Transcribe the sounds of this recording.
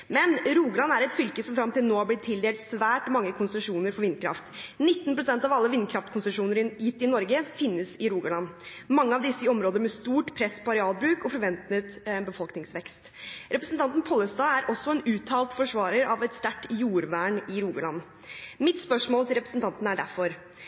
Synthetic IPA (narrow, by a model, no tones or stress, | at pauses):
mɛnɾuːɡəlɑnːæɾɛt̪fʏlkəsɔmfɾɑmt̪ɪlnoːhɑblɪt̪ʰːɪld̪eːlt̪sʋæːʈmɑŋːəkʰʊnst̪əʂuːnəɾfɔɾʋɪnːkʰɾɑ̰ft̪nɪt̪ːnpʰɾʊsɛnt̪ɑʋɑlːəʋɪnːkʰɾɑft̪kʰʊnsʂuːnəɾjɪt̪ːɪnɔɾɡəfɪnːəsɪɾuːɡəɭɑnːmɑŋːəɑʋd̪ɪsːəɔmɾoːd̪əɾmɛst̪uːʈpʰɾɛspʰɔɑɾɛɑːlbɾʉːkɔfɔɾʋɛnt̪ət̪bəfɔlknɪŋsʋɛkst̪ | ɾʔɛpɾəsnt̪ɑnt̪n̩pʰɔlːəst̪ɑːæɾʔɔsːɔɛnʉːt̪ʰɑːlt̪fɔʂʋɑːɾəɾɑʋɛt̪st̪æʈːjuːɾʋæːɳɪɾuːɡɑɭɑnː | mɪt̪spœʂmoːlt̪ɪlɾɛpɾəsən̩t̪ɑnt̪n̩æɖæɾfɔɾ